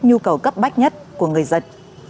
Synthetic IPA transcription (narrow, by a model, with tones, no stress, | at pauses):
ɲu˧kə˨˩wkə˦˥p̚ɓa˦˥jk̚ɲə˦˥t̚ku˧˩əŋɨ˨˩əjzə˧˥n